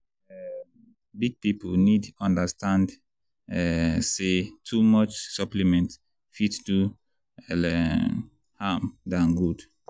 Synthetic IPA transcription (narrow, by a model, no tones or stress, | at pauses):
ɛ | biɡ̚piponidɔ̃ndəstʰãnd | ɛsetʰumɔt͡ʃsʌplimɛ̃nt | fitstu | ɛlɛ | hamdãnɡud